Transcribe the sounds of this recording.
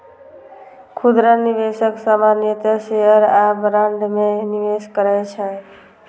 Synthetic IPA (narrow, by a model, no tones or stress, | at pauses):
kʰud̪ɾəniʋesəksamanjət̪seɦəɾabɾaɳɖmeniʋeskəɾɛt͡ʃʰɛ